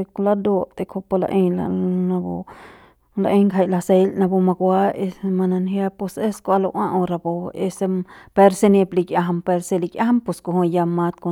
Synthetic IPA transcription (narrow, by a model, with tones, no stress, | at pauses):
e˧kulad̪o˧t̪e˧kʰo˧po˧la̰˧ʔẽ˧lana˧bo̰˧ | laʔe˦ŋkʰa˧jla˧se˧lna˧bo˧ma˧kʷa˦e˧sma˧na˧nhja˦po˧se˦sko˧a˧lo˧ʔwã˦ʔõ˧ɾa˧bo˧e˧se˧pe˦ɾsene˧pli˧kja˧ɦa˧mpe˧ɾse˧likʲja˦ampo˧sko˧ɦõ˧ja˧ma˧t̪̚ko